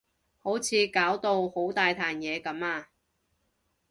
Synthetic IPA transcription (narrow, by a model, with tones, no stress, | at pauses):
ho˨˥wt͡sʰiː˨˧kaː˨˥wt̪o˧who˨˥wt̪aː˨jt̪ʰaː˨njɛː˨˧kɐ˨˥maː˧